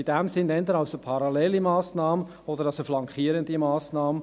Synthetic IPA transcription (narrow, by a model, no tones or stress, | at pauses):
id̥ɛmsɪndɛnd̪əɾɑʊsəpʰɑɾɑlɛlimɑːsnɑːmə | ɔdəɾɑsəflɑŋkχiːəɾəndimɑːsnɑːmə